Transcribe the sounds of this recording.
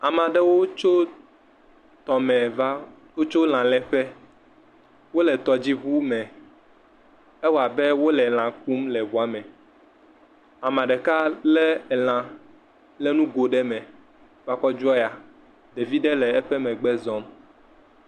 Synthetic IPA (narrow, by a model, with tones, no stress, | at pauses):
a˨mã˨ɖɛ˦wo˦t͡ʃo˦ | t̪ɔ˨mɛ̃˨va˦ | wo˦t͡ʃo˦l̃ã˨lɛ˨ɸɛ˦ | wo˦lɛ˨t̪ɔ˨d͡ʑi˦βu˦mɛ̃˨ | ɛ˦wo˦a˨bɛ˦wo˦lɛ˨l̃ã˨k̚u˦mlɛ˨vu˨a˨mɛ̃˨ | a˨mã˨ɖɛ˨ka˦lɛ˦˨l̃ã˨ | lɛ˦nũ˦ɡo˨ɖɛ˦mɛ̃˨ | fa˦kɔ˦d͡ʒɔ˦ja˨ | ɖe˨vi˦ɖe˦lɛ˨ɛ˦ɸɛ˦mɛ̃˨ɡ͡bɛ˦zɔ̃˦m